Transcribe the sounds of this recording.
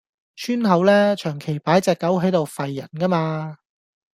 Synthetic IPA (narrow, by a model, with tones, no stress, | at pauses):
t͡ʃʰyː˥nɦɐ˨˥wlɛː˥t͡ʃʰœː˨˩ŋkʰe˨˩jpaː˨˥jt͡sɛː˨˧kːɐ˨˥wɦɐ˨˥jt̪o˨˧wfɐ˨jːɐ˨˩nkɐː˥maː˧